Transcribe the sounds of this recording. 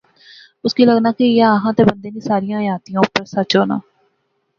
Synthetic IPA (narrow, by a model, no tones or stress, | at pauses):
ʊskiːləɡnaːkɪɪjaːəɦãːt̪eːbənd̪eːneːsaːɾijãːjaːt̪ijãːʊpəɾsət͡ʃɦoːna̰ː